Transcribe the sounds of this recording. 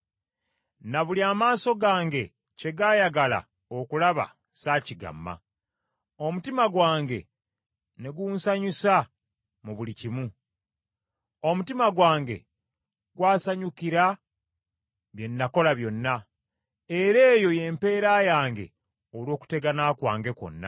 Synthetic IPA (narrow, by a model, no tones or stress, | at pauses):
naβuliaːmaːso̞ɡaːŋɡe̞ | ce̞ɡaːjaɡala̰ | o̞kulaβa̰ | saːciɡa̰mːa̰ | o̞mutimaɡwaːŋɡe̞̰ | ne̞ɡuːnsaɲusa | muβulicimu | o̞mutimaɡwaːŋɡe̞̰ | ɡwaːsaɲukiɾa | βje̞nːako̞laβjo̞nːa | e̞ɾe̞ːjo̞je̞ːmpe̞ːɾaːjaːŋɡe̞̰ | olwo̞ːku̥te̞ɡanakwa̰ːŋɡe̞ko̞̰nːa̰